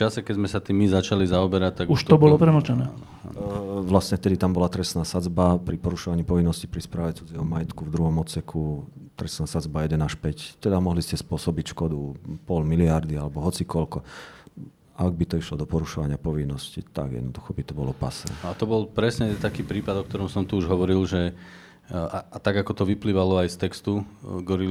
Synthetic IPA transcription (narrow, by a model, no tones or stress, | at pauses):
t͡ʃasɛkɛzmɛsat̪iːmizat͡ʃalizaɔbɛɾac̚t̪ːaɡuʃt̪ɔbɔlɔpɾɛmɔt͡ʃɛnɛː | ʋlasɲɛft̪ɛd̪it̪ambɔlat̪ɾɛsnaːsad͡zbapɾipɔɾuʃɔʋaɲiːpɔʋinːɔscipɾispɾaːʋɛt͡sud͡zɪɛɦɔmajɛt̪kuvd̪ɾuɦɔmɔt̪sɛkʰut̪ɾɛsnaːsad͡zbajɛd̪ɛnaʃpɛct̪ɛd̪amɔɦliscɛspʊɔsɔbicʃkɔd̪upɔlmiliaɾd̪ialɛbɔɦɔtt͡sikɔʎkɔ | ʔaɡ̚bit̪ɔiʃlɔd̪ɔpɔɾuʃɔʋaɲɪapɔʋinːɔscḭt̪a̰ɡjɛ̰d̪nɔd̪uxɔbit̪ɔbɔlɔpa̰snɛ̰nat̪ɔbɔlpɾɛsɲɛt̪akiːpɾiːpad̪ɔk̚t̪ɔɾɔmsɔmt̪uuʒɦɔʋɔɾilʒɛ | at̪aɡakɔt̪ɔʋipliːʋalɔajst̪ɛkst̪uɡɔɾi